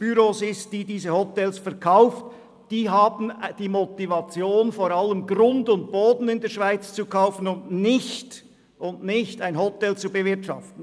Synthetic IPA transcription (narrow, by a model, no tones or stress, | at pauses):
b̥yɾoːsɪsd̥iːdiːzəhɔtɛlsfɛʁkʰaʊft | d̥iːɦaːbn̩d̥iːmotivɑt͡sjoːnfoːɾɑləmɡɾʊndʊnt̚b̥oːdn̩ɪndeːɐʃv̥aɪt͡st͡sukʰaʊfən̩ʊndnɪçt | ʔʊndnɪçtaɪnhɔtɛlt͡subəvɪtʃɑ̰ftn̩